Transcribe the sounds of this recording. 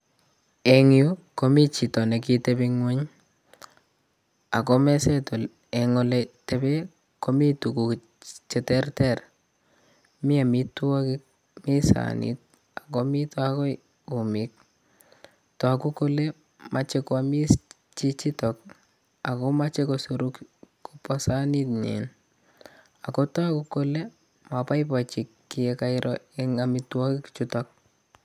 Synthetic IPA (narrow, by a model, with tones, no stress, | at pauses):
ɛ˨ŋju˦ko˦mi˦t͡ʃi˨tɔ˨ne˨ki˦tebi˦ŋwe˦ɲ | a˨kɔ˦mɛ˦sɛ˦to˨l | ɛ˨ŋɔ˦lete˦be˦ | ko˦mi˦tu˨ku˨ | t͡ʃɛtɛ˦rtɛ˦˨r | mɪ˦a˨mi˦tu˦a˦kɪ˦k̚ | mi˦sa̰nḭt̚ | a˨kɔ˦mi˦tɔ˦a˦kɔ˦ | u˨mik̚ | tɔ˨ku˦kole | mat͡ʃekoami˦s | t͡ʃit͡ʃitɔk | a˨komat͡ʃekosuɾukkupɔsani˦tɲḛn | a˨kota˦kuko˦le˦ | mapa˦jpat͡ʃi˨kːiɛkaɪɾʔɔeŋamitwɔ˦kɪkt͡ʃutɔk̚